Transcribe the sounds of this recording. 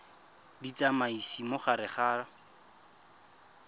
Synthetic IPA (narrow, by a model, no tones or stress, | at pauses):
dit͡samaisimoχaɾɪχaːra